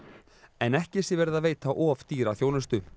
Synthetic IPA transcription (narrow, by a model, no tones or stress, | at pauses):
ɛnɛhcɪsjɪvɛɾɪðaveːjt̪aʔɔːft̪iːɾaθjoːwnʏst̪ʏ